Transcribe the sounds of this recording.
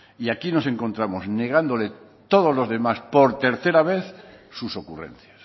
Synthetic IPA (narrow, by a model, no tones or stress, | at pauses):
iakino̞se̞ŋko̞nt̪ɾamo̞zne̞ɣ̞and̪o̞le | t̪o̞ð̞ozlo̞zðe̞maspo̞ɾt̪e̞ɾθe̞ɾaβ̞eθsuso̞kurḛn̟θjas